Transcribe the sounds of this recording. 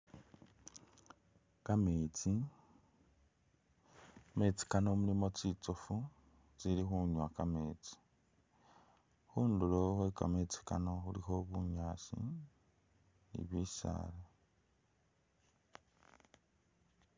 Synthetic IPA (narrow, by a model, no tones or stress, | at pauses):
kamet͡si | met͡si̥kanomulimo̞t͡sit͡sofu | t͡siɾixuɲwakameːt͡si̥ | huːndulohwekamet͡si̥kanoxulixoβuɲaːʃḭ | nḭβiʃa̰ːle